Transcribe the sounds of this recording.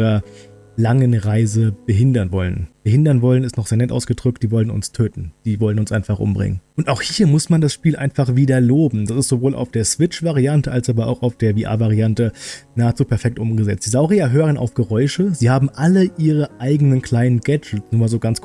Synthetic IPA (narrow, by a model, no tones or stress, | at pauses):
ʁɐ | laŋənʁaɪzəb̥əɦɪndɐnvɔlənb̥əɦɪndɐnvɔlənɪstnɔχz̥eːɐnɛtʔa̰ʊsɡ̥ədʁʏk̚t̚d̥iːvɔlənʊ̰nstʰøːtn̩d̥iːvɔlənʊnsʔa̰ɪnfaχʔʊ̰mbʁɪ̰ŋənʔʊntaʊxhiːɐmʊsmandasʃpiːlʔa̰ɪnfaχv̥iːdɐloːbm̩d̥asɪstz̥ovoːlʔa̰ʊfd̥eːɐsv̥ɪt͡ʃv̥aʁiantəʔalsʔaːbɐa̰ʊxaʊfd̥eːɐviːʔa̰ːvaʁiantənaːət͡suːpʰɛɐfɛk̚tʔʊmɡəzɛt͡std̥iːzaʊʁiaɦøːʁ̞ənʔa̰ʊfɡ̥əʁɔʏʃəziːhaːbm̩ʔaləʔiːʁəʔaɪɡənənkl̥aɪnənɡɛd͡ʒl̩t͡snuːmaːlzoːɡant͡skʰ